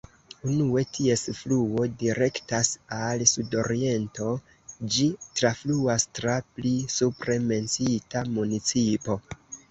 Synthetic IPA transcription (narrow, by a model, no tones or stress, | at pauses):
unue̞tʰie̞sfluo̞diɾe̞ktasalsudo̞ɾie̞nto̞ | d͡ʒitɾafluastɾaplisupɾe̞me̞nsitamunit͡sipo̞